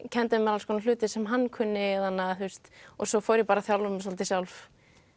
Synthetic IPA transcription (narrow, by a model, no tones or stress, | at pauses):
cʰɛnt̪ɪmɛɾalskʰɔːnalʏːt̪ɪsɛmɦanːkʰʏnːɪðanːaθust̪ɔsɔfɔwɾjɛpaːɾaθjawlvʏms̬alt̪ɪ̥sjawlf